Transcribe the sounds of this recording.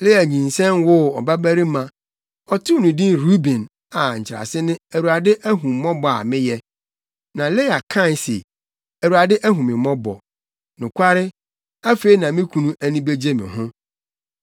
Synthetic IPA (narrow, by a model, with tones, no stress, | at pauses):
lɪ˦a˨ɲĩ˨n˨sɛ̃˦nwʊ˦ɔ̰˨ba˦bæ˦ɾi˦mã˨ | ɔ˨tʰʊ˦nũ˨dĩ˦nɾu˦bĩ˨n | a˨ɲ̩˨t͡ɕʰɪ˨ɾa̰˨sɪ˦nɪ̃˦æ˨wu˨ɾa˨dɪ˦ʔæ˦ɦũ˨mː˨˦ɔ̃˦bɔ˨a̰˨mɪ̃˦jɛ˨ | nã˨le˦a˨kʰã˦˨n˨sḛ˨ | æ˨wu˨a˨dɪ˦ʔæ˦ɦũ˨mɪ̃˨mɔ̃˦bɔ̰˨ | nʊ̃˨kʷʰa˦ɾɪ˦ | a˦fe˦i˦nã˨mɪ̃˦kʰũ˨nũ˦ʔæ˨nĩ˦be˦d͡ʑe˦mɪ̰̃˨ɦʊ̃˦